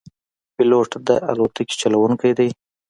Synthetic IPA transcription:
pɪloʈd̪əʔa̰lot̪əki̥t͡ʃalawuŋkajd̪aj

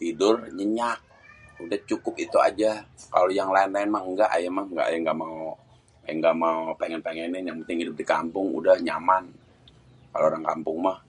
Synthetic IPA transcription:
t̪idʊrɲəɲak̚ | udaht͡ʃukʊp̚it̪ua̰d͡ʒaka̰lojaŋlaɪnlaɪnmahəŋɡaʔajamahŋɡa̰ʔa̰jaŋɡaʔmao | ŋɡaʔmaopeŋɛnpeŋɛnɛnjaŋpənt̪ɪŋhidʊp̚dikampʊŋṵdahɲa̰man | ka̰loːɾaŋkampʊŋmah

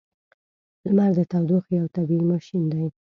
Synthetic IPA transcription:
lmaɾd̪ət̪awd̪uxjawt̪abiimaʃind̪aj

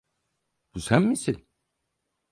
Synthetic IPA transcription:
b̥usænmisilʲ

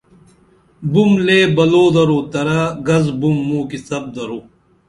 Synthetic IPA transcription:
bumleːbɐloːd̪ɐɾoːt̪ɐɾɐɡɐzbumːuːkisɐb̚d̪ɐɾoː

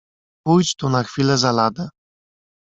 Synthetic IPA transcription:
pujt͡ɕt̪unaxfʲilɛzalad̪ɛ

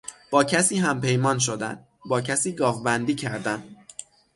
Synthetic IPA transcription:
b̥ɒːcʰæsiːɦæmpe̞jmɒːnʃ̬o̞d̪æ̰n | bɒːcʰæsiːɡɒːvbænd̪iːcʰæɾd̪æn

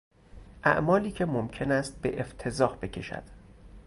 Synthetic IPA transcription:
ʔæ̰ʔmɒːliːcʰe̞momcʰe̞næst̪̚be̞̰ʔeft̪ʰe̞zɒːhb̥e̞cʰe̞ʃæ̰d̪̥

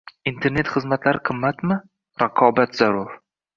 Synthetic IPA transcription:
int̪ʰe̞ɾne̞t̪χɨzmat̪laɾɪqʰɨmːat̪mɪ | ɾaqʰɒbat̪z̥aɾʊɾ

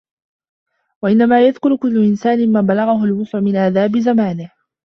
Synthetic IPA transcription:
waʔɪnːamaːjaðkʊɾkʊlːʊʔɪnsaːnɪmaːbalaɣaɦʊlwʊsˤʕʊmɪnʔaːðaːbɪzamaːnɪh

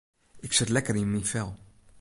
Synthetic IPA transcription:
ɪksɪt̪lɛkəɾĩnmifɛlˠ

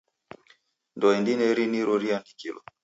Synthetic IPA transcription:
ndɔɛndinɛɾiniɾuɾiandikilɔ̰

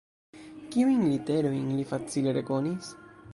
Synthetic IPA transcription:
kiujnlite̞ɾo̞jnlifat͡sile̞ɾe̞ko̞nis

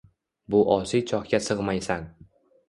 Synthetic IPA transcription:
bʊʔɒsit͡ʃʰɒhkʲasɨʁmajsan

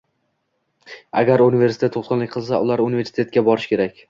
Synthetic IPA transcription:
a̰ɡʲaɾuniveɾsɪ̥t̪e̞t̪ːʰot̪qɨnlɪk̚ʲqʰɨlˠsaʔʊlˠaɾʊnɪve̞ɾsɪt̪et̪̚kʲabɒɾɪʃkʲʰe̞ɾakʲ

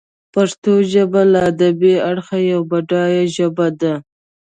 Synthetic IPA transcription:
paʂt̪oʒəbalaːd̪abeaɽxajawbaɖɑjaʒəbad̪a

